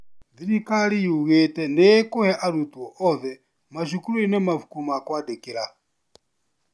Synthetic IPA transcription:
d͡ziɾikaɺijuuɣɛtɛndɛkuhɛʔaɾut̪ʼuɔʔɔðɛ | maʃukuɾuinɛmafu̥kumakwad̪ɛkʼiɺa

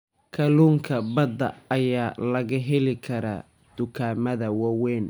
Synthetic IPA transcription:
kʰɐluːŋkʰɐbɐd̪ɐɐjaːlɐɣɐɦɛlɪkʰɐɾɐ̰ | d̪̥ʊkʰaːmɐðɐwɐwɛːn

